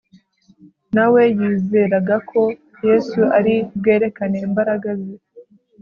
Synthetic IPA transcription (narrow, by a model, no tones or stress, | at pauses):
nawe̞jiːze̞ɾaɡakʰo̞ | je̞ːsuʔaɾib̚ɡe̞ːɾe̞kaneːmbaɾaɡazi